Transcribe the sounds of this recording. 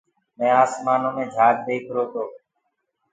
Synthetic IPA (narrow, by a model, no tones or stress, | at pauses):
mẽːaːsmaːnõːmẽːd͡ʒʱaːd͡ʒ̚d̪eːkʰɾoːt̪oː